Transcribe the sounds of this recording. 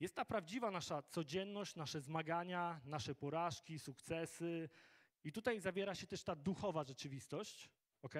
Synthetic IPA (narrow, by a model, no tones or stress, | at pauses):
jɛst̪t̪ːapɾavd͡ʑivanaʂat̪sɔd͡ʑɛnːɔɕt͡ɕnaʂɛzmaɡaɲanaʂɛpɔɾaʂkʲisukt̪sɛsɘ | it̪ut̪ajzavʲjɛɾaɕɛt̪ɛʂt̪ad̪uxɔvaʐɛt͡ʂɘvʲist̪ɔɕt͡ɕ | ɔkɛj